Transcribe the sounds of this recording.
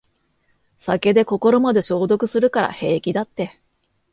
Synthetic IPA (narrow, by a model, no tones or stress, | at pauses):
sake̞d̪e̞ko̞ko̞ɾo̞mad̪e̞ɕo̞ːd̪o̞kɯ̟sɨɾɯ̟kaɾa̰he̞ːkʲid̪at̪ːe̞